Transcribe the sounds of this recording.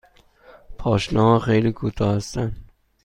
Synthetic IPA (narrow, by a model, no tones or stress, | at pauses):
pʰɒːʃnɒːhɒxejliːkʰuːt̪ʰɒːhæst̪æn